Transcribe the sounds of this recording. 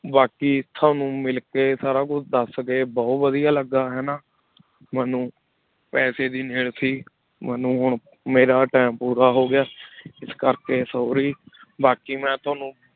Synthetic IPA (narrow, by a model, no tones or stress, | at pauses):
baːkiːt̪ʰaːnũːmɪlkeːsaːɾaːkʊt͡ʃʰd̪əsɡeːbɔːt̪ʋəd̪ijaːləɡːaːɦɛːnaː | mɛːnũː | pɛːseːd̪iːneːɽsiː | mɛːnũːɦʊɳ | meːɾaːʈɛːmpuːɾaːɦoːɡɪjaːɪskəɾkeːsoːɾiːbaːkiːmɛ̃ːt̪ʰʊaːnũː